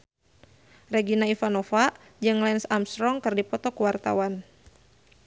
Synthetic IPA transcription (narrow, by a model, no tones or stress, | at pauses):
rɛɡinaifanɔfa | d͡ʒɨŋlɛnsamst̪ɾɔŋkɨrdipɔt̪ɔkuwart̪a̰wan